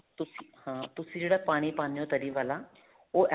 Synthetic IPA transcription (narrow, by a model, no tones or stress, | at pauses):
t̪ʊsiːhãːt̪ʊsĩːd͡ʒeːɽaːpaːɽ̃iːpaːnijõːt̪əɾiːʋaːlaː | oːʔɛ